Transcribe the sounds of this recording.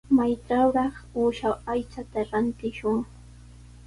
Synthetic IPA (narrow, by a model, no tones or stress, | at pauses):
majt͡ʃawɾɑχʊːʃawajt͡ʃat̪aɾant̪ɪʃʊŋ